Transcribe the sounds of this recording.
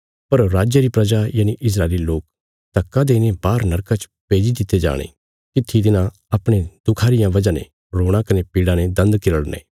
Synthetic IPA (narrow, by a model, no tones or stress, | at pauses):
pɐɾɾaːd͡ʒjəɾipɾɐd͡ʒajaːniʔɪs̬ɾaːɪliloːk̚ | t̪ɐkːãd̪eːnebaːɾnɐɾkãt͡ʃpeːd͡ʒid̪ɪt̪ːed͡ʒa̰ːɽ̃ḛ | kɪt̪ʰːit̪ɪnã | ɐpɽ̃ed̪ʊkʰaːɾɪjãʋɐd͡ʒãnḛ̃ | ɾoːɽ̃akɐnepiːɽãned̪ɐ̃nd̪kɪɾəɽnḛː